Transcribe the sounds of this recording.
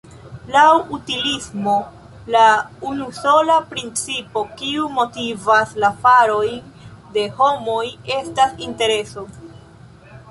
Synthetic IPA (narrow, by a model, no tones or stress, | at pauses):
lawutilismo̞ | launuso̞lapɾint͡sipo̞kiumo̞tivaslafaɾo̞jn | de̞ho̞mo̞je̞stasinte̞ɾe̞so̞